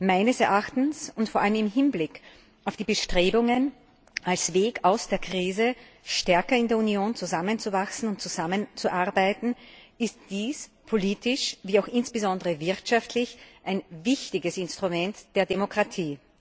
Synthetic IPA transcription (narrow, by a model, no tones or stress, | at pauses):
maɪnəsɛɐʔaxtn̩sʊntfoːɐʔaləmɪmɦɪnblɪk | ʔaʊfd̥iːbəʃtʁ̥eːbʊŋən | ʔalsv̥eːkaʊsd̥eːɐkʁ̥iːzəʃtɛɐkɐɪndeːɐunioːnt͡suzamənt͡suvaksn̩ʊntt͡suzamənt͡suʔaɐbaɪtn̩ɪstd̥iːspʰoliːtɪʃviːaʊxɪnsb̥əzɔndəʁəvɪɐtʃaftʰlɪçʔaɪnvɪçtɪɡəsɪnstʁ̥umɛntd̥eːɐdemokʁ̥atʰiː